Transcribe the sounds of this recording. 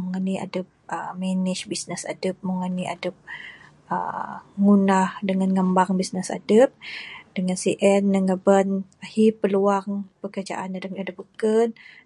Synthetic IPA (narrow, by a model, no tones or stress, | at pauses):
muŋaniʔa̰dəp̚ʔəmɛniʃbisnəsa̰dəp̚muŋaniʔa̰dəp̚ | ə̰ŋunahdəŋanŋəmbaŋbisnəsa̰dəp̚d̥əŋansiʔɛnːəŋɡabənahipəluaŋpəkərd͡ʒa̰ʔanadəadəp̚ukən